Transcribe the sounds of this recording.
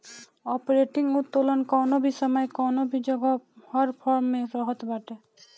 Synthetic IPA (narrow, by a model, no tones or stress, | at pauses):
ɔːpɾeʈɪŋɡʊt̪ːolənkɔːnobʱisəməjkɔːnobʱid͡ʒəɡɔhəɾpʰɔɾmːẽɾɔɦɔt̪baːʈe